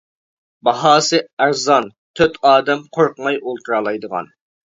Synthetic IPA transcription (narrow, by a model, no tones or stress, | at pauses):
bɑɦɑːsɨæɾzɑn | t̪ʰøt̪ɑːd̪ɛmqʰoɾqmɑjolˠt̪ʰuɾɑlˠɑjd̪əʁɑ̰n